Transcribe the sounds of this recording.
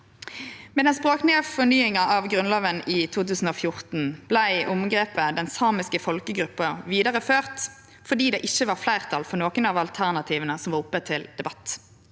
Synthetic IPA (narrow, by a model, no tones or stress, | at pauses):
mɛd̪ɛnspʁoːknɪəfɔnyːɪŋɑʔɑʋɡʁʉnloːʋəniːt̪ʰuːt̪ʉːsn̩oːfjʊʁt̪n̩b̥læɪʔʊmɡʁeːpəd̪ɛnsɑːmɪskəfɔlkəɡʁʉpːəʁʋiːd̪ɑʁəføːʁt̪ | fɔɖ̪iːd̪ɛːʔɪçːəʋɑʁflæɪʁt̪ʰɑlfɔʁnoːkənɑʋɑlt̪ʰæʁnɑt̪ʰiːʋənəsɔmʋɑʁʊpːət̪ʰɪld̪ɛbɑt̪